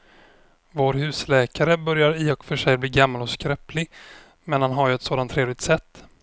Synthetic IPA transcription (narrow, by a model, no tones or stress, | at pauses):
voːɾɦʉ̟ːslɛːkaɾəbœɾjaɾɪɔkfœʂɛjbliːɡamːalɔskɾɛplɪɡ | mɛnhanɦaɾjɵɛt̪soːd̪ant̪ʰːɾeːvlɪɡ̚t̪sɛt̪ː